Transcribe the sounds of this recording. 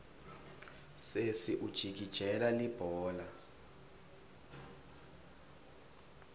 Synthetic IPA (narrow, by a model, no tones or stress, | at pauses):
sesiʔud̥ʒ̥ʱiɡ̥̬ʱid̥ʒ̥ʱɛlalib̥ʱɔːla